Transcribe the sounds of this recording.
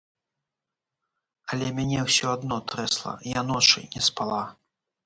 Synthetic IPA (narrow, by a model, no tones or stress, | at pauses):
ɐlʲɛmʲanʲɛwsʲɔad̪nɔt̪ɾɛslˠɐ̰janɔt͡ʂɨ̰nʲɛspalˠa